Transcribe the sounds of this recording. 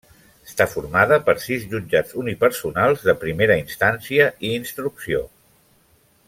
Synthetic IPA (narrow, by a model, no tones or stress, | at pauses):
əst̪afuɾmað̞əpəɾsizʎud͡ʒad͡zunipəɾsunalˠzðəpɾimeɾəinst̪ansiəʔiːnst̪ɾuksio